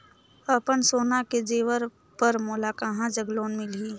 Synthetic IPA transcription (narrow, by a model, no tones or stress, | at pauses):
əpənsoːnaked͡ʒeːʋəɾ | pəɾmoːlaːkaːɦãd͡ʒəɡloːnmɪliː